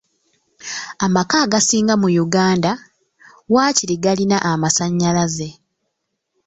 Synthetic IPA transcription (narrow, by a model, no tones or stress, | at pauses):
amakaːɡasiːŋɡamujuɡaːnda | waːciɾiɡalinaʔamasaɲːalaze̞